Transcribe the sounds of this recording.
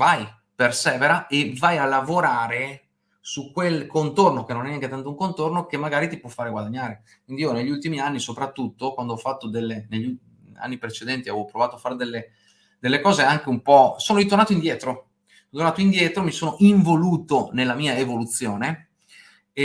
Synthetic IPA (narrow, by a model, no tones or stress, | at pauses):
vaj | persɛːveɾaʔevajalːavoɾaːɾe | sukwelkont̪ornokenõnɛnːjaŋket̪ant̪ouŋkont̪ornokemːaɡaːɾit̪ipwɔfːaːɾeɡwad̪aɲːaːɾe | kwind̪iiːoneʎːult̪imianːisopɾat̪ːut̪ːokwand̪oɔfat̪ːod̪elːeneʎːu | a̰nːipɾet͡ʃed̪ɛnt̪iaɛvopɾovaːt̪oafaːɾed̪elːe | d̪̥elːekɔːzeaŋk̟eumpɔsoːnoɾit̪ornaːt̪oind̪jɛːt̪ɾo | t̪ornaːt̪oind̪jɛːt̪ɾomisoːnoʔiɱvoluːt̪onelːamiːaevolut̪sːjoːne